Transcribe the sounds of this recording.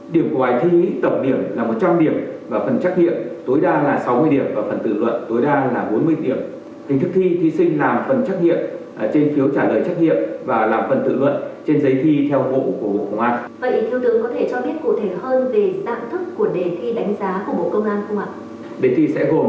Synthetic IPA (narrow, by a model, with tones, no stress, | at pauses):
ɗi˧˩əmku˧˩ɓaː˨˦jt̪ʰi˧t̪ə˨˩wk͡p̚ɗi˧˩əmlaː˨˩mo˨˩t̚t͡ɕa˧mɗi˧˩əmvaː˨˩fə˨˩nt͡ɕa˦˥k̚ɲḭ˧˨əmt̪o˨˦jɗaː˧laː˨˩sa˨˦wmɨ˧əjɗi˧˩əmvaː˨˩fə˨˩nt̪ɨ̰˧˨lwə̰˧˨nt̪o˨˦jɗaː˧laː˨˩ɓo˨˦nmɨ˧əjɗi˧˩əm | hi̟˨˩t̪ɨ˦˥k̚t̪ʰi˧t̪ʰi˨˦sï˧ŋ̟laː˨˩mfə˨˩nt͡ɕa˦˥k̚ŋɲḭ˧˨əm˨˩ | t͡ɕe˧nfi˨˦əwt͡ɕaː˧˩ləː˨˩jt͡ɕa˦˥k̚ŋḭ˧˨əmvaː˨˩laː˨˩mfə˨˩nt̪ɨ̰˧˨lwə̰˧˨nt͡ɕe˧nzə˨˦jt̪ʰi˧t̪ʰɛ˧wvo̰˧˨ku˧˩ə˩ɓo̰˧˨kə˧wŋ͡mʔaː˧nvə̰˧˨ʔt̪i˧˨əwt̪ɨ̰˧˨kɔ˨˦t̪ʰe˧˩t͡ɕɔ˧ɓi˦˥ət̚ku˧˩t̪ʰe˧˩həː˧nve˨˩za̰ː˧˨mt̪ʰɨ˦˥kːu˧˩əɗe˨˩t̪ʰi˧ɗa˨˦ŋ̟zaː˨˦ku˧˩əɓo̰˧˨kə˧wŋ͡mʔaː˧nkʰʊ˧wŋ͡mha˨˩k̚ | ɗe˨˩t̪ʰi˧sɛ̰˧˥ɣo˨˩m